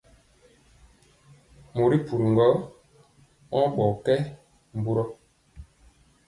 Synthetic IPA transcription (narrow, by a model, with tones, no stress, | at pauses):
mo˨ɾi˦pu˨ɾi˨ŋɡɔ˦ | ɔ̃˦ɓɔ˨kɛ˦ | m˨bu˦ɾɔ˦